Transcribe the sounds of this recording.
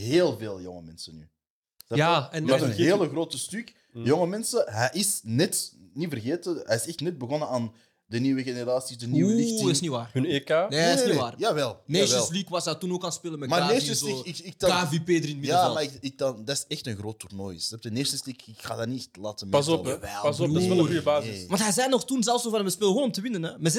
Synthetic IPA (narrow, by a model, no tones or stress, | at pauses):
ɦeːlˠveːlˠjɔŋəmɛnsənyː | d̥aaɛnmɛtənɦeːləɣroːtəstʏk | jɔŋəmɛnsəɦɛjʔɪsnɛtnivərɣeːtəɦɛɪsɛxtnɛd̚bəɣɔnəaːn | dəniːwəɣeneɾaːsizdəniːəɪxtɪsniʋaːrhnekaːneeseaːrjaːʋɛlˠneːsɛəlslikʋɑsdartunoːkaːnspeːlənmɛtmaneəsziɪkɪk̚davipeːdəɾɪnmɪjaːmaɪkɪk̚dɑndaɪsɛxtənɣroːtːurnoːjsɛp̚dəneːsənslikɪkxa̰ːdaniɛxtlaːtəmɑsɔpɛɑsɔɣujəbaːzsʋɑntɦɛjzɛjnɔxtunzɛlˠfsovɑnəməspeːləɦoːnɔmtəʋɪnənɛmɛz